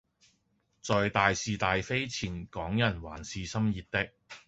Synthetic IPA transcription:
t͡sɔː˨jt̪aː˨jsiː˨t̪aː˨jfe˥jt͡sʰiː˨˩nkɔː˨˥ŋjɐ˨˩nwa̰ː˨˩nsiː˨˧sɐ˥mjiː˨t̪̚t̪ɪ˥k̚

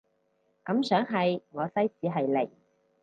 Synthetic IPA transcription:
kɐ˨˥msœː˨˥ŋɦɐ˨jŋɔː˨˧sɐ˥jt͡siː˨˧ɦɐ˨jle˨˩j

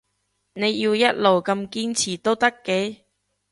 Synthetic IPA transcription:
ne˨˧jji˧wjɐ˥t̚lo˨wkɐ˧mkiː˥nt͡sʰiː˨˩t̪o˥wt̪ɐ˥kːe˨˥

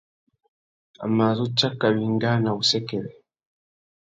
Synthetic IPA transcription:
a̰˨ma˨zo˦t͡ʃːa˦kːaβiːŋɡa˦na˨βusekeɾe

